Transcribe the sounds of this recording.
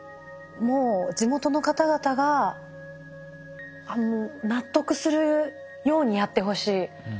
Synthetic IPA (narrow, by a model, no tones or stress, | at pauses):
mo̞ːd͡ʑimo̞t̪o̞no̞kat̪aɡat̪aɡa | anonat̪ːo̞kɯ̟sɨɾɯ̟ | jo̞ːɲ̟ijat̪ːe̞ɦo̞ɕiː